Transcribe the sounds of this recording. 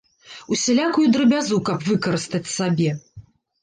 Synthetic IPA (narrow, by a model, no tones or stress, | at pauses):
usʲɛlʲakujud̪ɾɨbʲazukɐpvɨkɐɾɨst̪ɐt͡sʲsabʲɛ